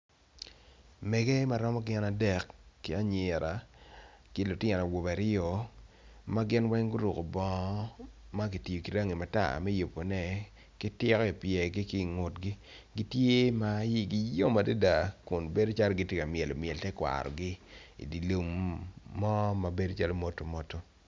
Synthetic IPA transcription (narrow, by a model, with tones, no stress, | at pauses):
mɛ˨ɡe˦ma˨ɾɔ˦mɔ˦ɡɪ˦na˨dɛ˨kːɪ˦a˦ɲɛ˨ɾʔa˨ | kɪ˦lʊ˨tɪ˦˨na˨wo˨ba˨ɾɪ˦o˨ | ma˦ɡɪ˦nwɛ˦ŋɡʊ˦ɾu˨ko̰˨bɔ˦ma˦k̬i˨ti˨jo˨ki˨ɾa˦ŋi˨ma˨ta̰˦˨mɛ˦jo˨po˨nɛ˦ | kɪ˦tɪ˦kɔ˦i˨pjɛ˨ɡɪ˦ki˦ŋo˨tɡɪ˦ɡi˦tje˦ma˦ji˦ɡi˦jo˦ma˨de˦da˨kʊ˨nbe˦do˦t͡ʃa˦lɡɪ˦tje˦ka˨mɪ˨ɛ˨lo˨mjɛ˨ltɛ˦kwa̰˨ɾɔ̰˨ɡɪ˦ḭ˨di˨lo˨mː | ɔ˦ma˨be˦do˦t͡ʃa˦lo˦mo˦to˨mo˨to˦